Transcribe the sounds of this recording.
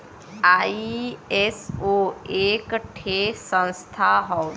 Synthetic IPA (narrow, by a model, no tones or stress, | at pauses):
aiesoeːkʈʰesə̃nst̪ʰaɦɔw